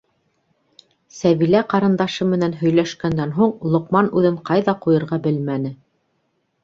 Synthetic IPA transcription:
sæβilæqɑɾɤ̆nd̪ɑʃɤmɘ̆nænɦɵ̆jlæʃkænd̪ænɦuɴlˠŏqmɑnʉðɘɴqɑjðɑqujɤ̆ɾʁɑbɘlmænɘ

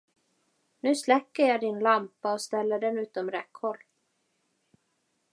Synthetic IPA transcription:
nʉ̟ːslɛkːəɾjɑd̪ɪnlampaɔst̪ɛlːəɖɛnʉ̟ːt̪ɔmɾɛkːhɔlː

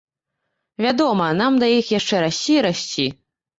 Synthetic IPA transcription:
vʲad̪ɔmɐnamd̪ɐjixjaʂt͡ʂɛɾasʲt͡sʲiɾasʲt͡sʲi

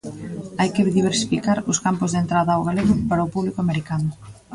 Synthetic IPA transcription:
ajkeðiβ̞eɾsi̥fikaɾʊskampʊzðent̪ɾaðɐːwɣaleɣʊpaɾaʊpuβlikoameɾikanʊ

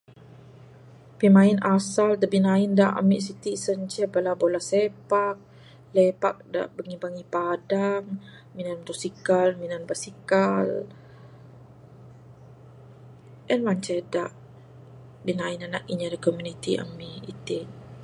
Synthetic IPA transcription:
pimaɪnasald̪abinaɪndaʔa̰miʔsit̪isəɲt͡ʃɛbəlabolasepak̚ | lepak̚da̰ʔbəŋibaŋipadaŋ | minandosikalminanbasikal | ʔənwaɲt͡ʃɛdaʔ | binainanaʔiɲadakomunit̪iʔa̰miʔḭt̪ɪ

